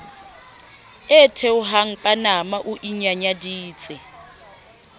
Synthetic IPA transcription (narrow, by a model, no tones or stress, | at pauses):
ɛtʰɛʊɦaŋ̩pʼanamaʔuʔiɲaɲadiːt͡sʼɪ